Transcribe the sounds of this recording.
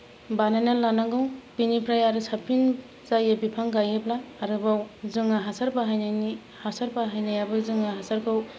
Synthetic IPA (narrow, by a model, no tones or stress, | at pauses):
bananalːanaŋɡɯŋpinipʰɾajaɾɯsapʰin | zajabipʰaŋɡajɯblaːɾɯbawzɯŋaɦasaɾpaɦajnani | hasaɾpaɦajnajabɯzɯŋaɦasaɾkʰɯw